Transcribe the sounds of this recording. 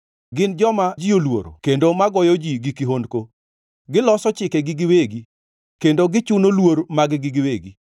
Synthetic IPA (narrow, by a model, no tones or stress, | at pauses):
ɡɪnd͡ʒɔmad͡ʒijolwo̰ɾo̰kendomaɡɔjod͡ʒiɡikiɦondko | ɡɪlɔsɔt͡ʃɪkeɡɪɡɪweɡi | kendoɡɪt͡ʃʊnolwoɾmaɡɡɪɡɪweɡi